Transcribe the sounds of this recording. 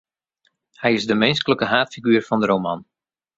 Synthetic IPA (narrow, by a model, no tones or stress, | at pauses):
hɛjɪzdəmɪnskələkəɦaːtfiɡyːrfɔndəɾowman